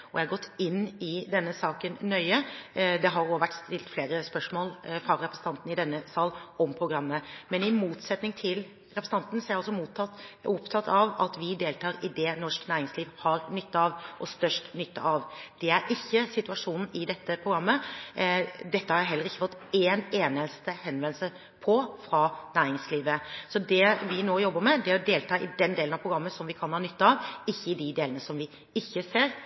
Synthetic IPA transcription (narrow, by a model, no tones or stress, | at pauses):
ɔjɛɑɡɔt̪ːɪnːɪd̪ɛnːəsɑːkənnœʏəd̪ɛɦɑɾoːʋæʈːst̪ɪlt̪fleːɾəspœʂmoːlfɑɾɛpɾəsənʰɑnt̪n̩ɪd̪ɛnːəsɑːlɔmpʰɾʊɡɾɑmːəmɛnɪmuːt̪sɛt̪nɪŋt̪ʰɪl | ɾɛpɾəsəɑnt̪n̩sɔɾjæɑlsɔmuːt̪ɑt̪ʊpt̪ʰɑt̪ʰːɑʋɑ̰t̪ʋɪd̪eːlt̪ʰɑːɾɪd̪ɛnɔʂknæːɾɪŋsliːʋhɑɾnʏt̪ːɑɑʋʔɔst̪œʂʈnʏt̪ːə̰ʔɑʋd̪̥ɛæɾʔɪçːəsɪt̪ʉɑʂuːnn̩ɪd̪ɛt̪ːəpʰɾʊɡɾɑmːə | d̪ɛt̪ːəhɑɾjæɦɛlːəɾɪçːəfɔt̪eːneːnəst̪əhɛnʋɛnlsə | pʰɔfɾɑːnæːɾɪŋsliːʋəsɔd̪ɛʋɪnoːjɔbːəɾmɛd̪ɛɾɔd̪eːlt̪ʰɑːɪd̪ɛnd̪eːlnɑʋpʰɾʊɡɾɑmːəsɔmʋɪkʰɑnhɑːnʏt̪ːəɑʋɪçːəɪd̪ɪd̪eːlənəsɔmʋɪ | ɪçːəseːɾ